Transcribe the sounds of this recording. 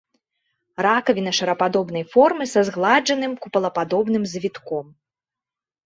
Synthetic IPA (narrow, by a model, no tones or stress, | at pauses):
ɾakɐvʲinɐʂɐɾɐpad̪ɔbnɐjfɔrmɨsɐzɣlˠad͡ʐɐnɨmkupɐlˠɐpad̪ɔbn̪ɨmzʲvʲit̪kɔm